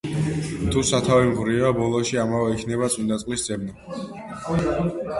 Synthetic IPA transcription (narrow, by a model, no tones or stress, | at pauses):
t̪ʰusat̪ʰavimʁɾiabɔlˠɔʃiamavɛikʰnɛβat̪sʼind̪at̪sʼqʼwisd̪z̥ʼɛbnɔ